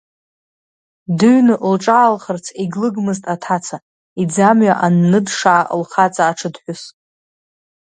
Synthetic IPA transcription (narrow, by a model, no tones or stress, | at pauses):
dɨɥnɨʔlʈ͡ʂʼaːlχərt͡sʰiɡlɨɡmɨztʼatʰat͡sʰa | id͡zamɥaʔanːɨdʂaːʔəlχat͡sʼaːʈ͡ʂʰɨdħʷᶣʊs